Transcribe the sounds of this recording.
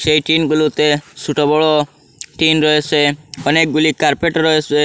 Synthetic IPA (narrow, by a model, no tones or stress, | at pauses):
sejʈinɡulut̪esʰuʈɔbɔɭɔ | ʈinɾɔɦeseɔnek̚ɡulikaɾpeʈɾɔɦese